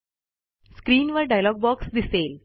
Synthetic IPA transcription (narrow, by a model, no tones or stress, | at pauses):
skɾiːnʋəɾɖajlɔɡ̚bɔksd̪isel